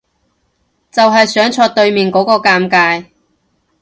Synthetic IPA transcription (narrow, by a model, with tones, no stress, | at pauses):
t͡sɐ˨wɦɐ˨jsœː˨˥ŋt͡ʃʰɔː˧t̚t̪ɵ˧ɥmiː˨nkɔː˨˥kɔː˧kaː˧mkaː˧j